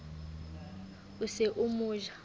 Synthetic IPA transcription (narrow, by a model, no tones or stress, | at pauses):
useʔumuːʒa